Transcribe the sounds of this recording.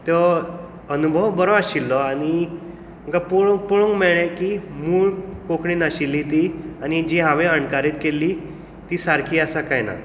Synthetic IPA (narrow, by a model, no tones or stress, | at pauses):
t̪ɔ | ənubʱəwbəɾɔaɕilːɔañi | m̤əkapuɭpoɭõŋɡmɛɭẽkimuːɭkokɳiːnaɕilːit̪iañid͡ʑiɦãʋẽəɳkaɾiːt̪kelːi | t̪isaɾkʰiːasakajna̰